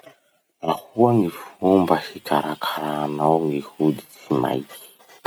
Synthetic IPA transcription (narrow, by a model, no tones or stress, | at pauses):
nahuaŋifumbahikʰaɾakʰaɾanawŋihuɗit͡sima̰iki̥